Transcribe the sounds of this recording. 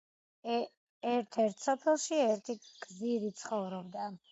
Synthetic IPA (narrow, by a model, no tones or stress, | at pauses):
ɛɾt̪ʰɛɾt̪ʰsɔpʰɛlˠʃiɛɾt̪ʰiɡ̥ziɾit̪sʰχɔvɾɔbd̪a